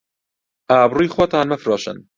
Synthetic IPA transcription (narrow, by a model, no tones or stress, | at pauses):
ʔaːbruːjxwot̪ʰaːnmɛfɾoːʃɨ̰n